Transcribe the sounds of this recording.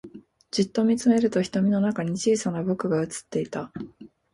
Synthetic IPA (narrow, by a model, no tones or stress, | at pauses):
d͡ʑit̪ːo̞mʲit͡sɨme̞ɾɯ̟t̪o̞çi̥t̪o̞mʲino̞nakaɲ̟it͡ɕiːsanabo̞kɯ̟ɡaɯ̟t͡sɨ̥t̪ːe̞it̪a